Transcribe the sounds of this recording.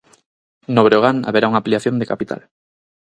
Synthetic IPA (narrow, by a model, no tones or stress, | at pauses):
noβɾoɣ̞ana̰βeɾauŋapliaθjond̪ekapit̪ʰa̰l